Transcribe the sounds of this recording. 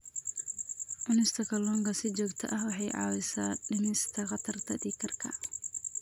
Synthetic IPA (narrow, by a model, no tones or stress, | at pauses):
ʕʊnɪst̪ʰɐkʰɐlɔːŋɡɐsɪt͡ʃɔːɡt̪ʰɐ̰ʔɐhwɑħɑjʕɑ̰ːwɪsaːɖɪnɪst̪ʰɐχɑt̪ʰɐrt̪ʰɐd̪iːkʰɐrkʰɐ̰